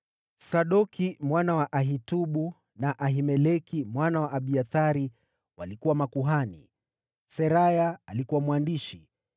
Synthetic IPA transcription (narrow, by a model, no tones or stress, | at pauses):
saɗɔkimwanawaʔaɦituɓu | naʔaɦimɛlɛkimwanawaʔaɓiaθaɾi | walikuwamakuɦanḭ | sɛɾajaalikuwamwandiʃi